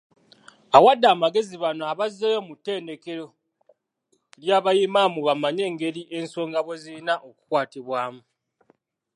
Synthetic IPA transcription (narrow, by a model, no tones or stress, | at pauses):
awadːaːmaɡe̞ziβano̞aβazejomutːe̞ːnde̞ke̞ɾo̞ | ljaːβajimamuβamaɲe̞ːŋɡe̞ɾiʔe̞nso̞ːŋɡaβoziinaʔo̞ku̥kwaːtiβwaːmu